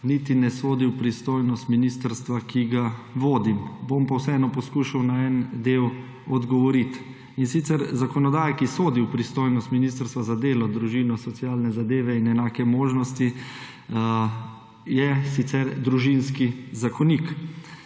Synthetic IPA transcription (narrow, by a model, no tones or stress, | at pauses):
nit̪inɛsoːd̪iwpɾist̪oːjnɔst̪minist̪əɾst̪ʋakʰiɡaʋoːd̪imbompawsɛɛːnɔpɔskuːʃawnaɛnd̪eːw | ɔd̪ɡɔʋɔɾit̪ | insit̪sɛɾzakɔnɔd̪aːjakisoːd̪iwpɾist̪oːjnɔst̪minist̪əɾst̪ʋazad̪eːlɔd̪ɾuʒinɔsɔt̪siaːlnɛzad̪eːʋɛinɛnaːkɛmoːʒnɔst̪i | jɛsit̪sɛɾd̪ɾuʒinskizakɔnik